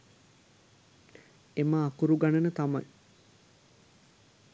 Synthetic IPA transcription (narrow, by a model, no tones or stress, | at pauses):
emaːkuɾuɡanənət̪ama̰j